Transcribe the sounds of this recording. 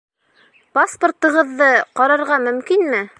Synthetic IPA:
paspŏrt̪ɤ̆ʁɤ̆ðːɤqɑɾɑɾʁɑmɵ̆mkinmɘ

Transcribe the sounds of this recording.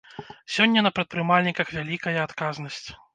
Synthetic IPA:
sʲɔnʲːɐnɐpɾɐt̪̚pɾɨmalʲnʲikɐxvʲalʲikɐjɐːt̪kaznɐsʲt͡sʲ

